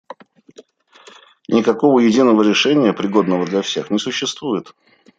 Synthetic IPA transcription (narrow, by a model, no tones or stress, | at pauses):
nʲɪkɐko̞vəjɪdʲinəvəɾʲɪʂɛnʲɪjəpɾʲɪɡo̞d̪nəvəd̪lʲɐfsʲe̞xnʲɪsʊɕːɪst̪vujɪt̪